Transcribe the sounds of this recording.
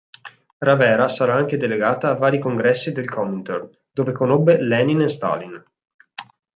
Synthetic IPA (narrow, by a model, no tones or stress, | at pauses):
ravɛːɾasaɾaaŋked̪eleɡaːt̪aːvːaːɾikoŋɡɾɛsːid̪elkʰɔmint̪on | d̪oːvekonobːelɛninest̪a̰lin